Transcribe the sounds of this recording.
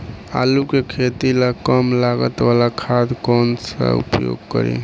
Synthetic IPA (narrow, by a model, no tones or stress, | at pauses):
a̰lukekʰet̪ilakəmlaɡət̪ʋalakʰad̪kɔnsə̰ṵpjo̰ɡkə̰ɾḭ